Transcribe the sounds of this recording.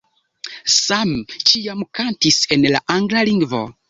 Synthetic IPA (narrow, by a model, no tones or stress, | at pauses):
samt͡ʃiamkantise̞nla̰ʔaŋɡlaliŋɡvo̞̰